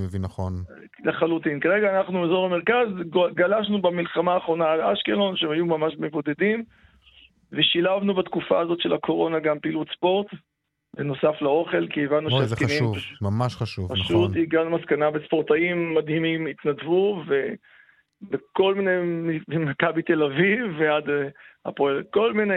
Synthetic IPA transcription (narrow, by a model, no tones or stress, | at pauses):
mevinaχon | leχalut̪inkaʁeɡaːnaχnuezo̞ʁameʁkazɡalaʃ̬nubamilχamaːχʁo̞naːlaʃkelo̞nʃeemajumamaʃmevo̞d̪e̞dim | veʃilavnubat̪kufa̰ːzo̞t̪ʃelakʰo̞ʁo̞naɡampilutspo̞ʁt̪ | veno̞saflao̞χe̞lkievanːuʃeakenimvuamaʃχaʃuvpaʃut̪iɡanumaskanabespo̞ʁt̪aimːad̪himimit̪nadvuve | beko̞lminemmakabit̪e̞lavivːead̪a̰poko̞lmine